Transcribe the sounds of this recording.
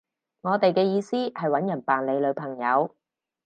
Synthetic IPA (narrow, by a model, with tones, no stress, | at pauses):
ŋɔː˨˧t̪e˨jkɛː˧jiː˧siː˥hɐ˨jwɐ˨˥njɐ˨˩npaː˨nle˨˧jlɵ˨˧ɥpʰɐ˨˩ŋjɐ̰˨˧w